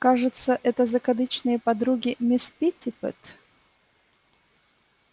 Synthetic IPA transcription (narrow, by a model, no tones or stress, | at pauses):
kaʐɨt̪səʔɛt̪əzəkɐd̪ɨt͡ɕnɨjəpɐd̪ɾuɡʲɪmʲɪspʲit̪ʲɪpɨ̰t̪